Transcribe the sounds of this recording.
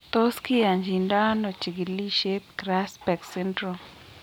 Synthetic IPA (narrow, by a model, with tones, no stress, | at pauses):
t̪o˦ski˦ja˨ɲd͡ʒi˨nda˦no˨t͡ʃi˨ɡi˨li˦ʃe˦p̚kɾa˦spɛ˨ksɛ˦ndɾɔ˨m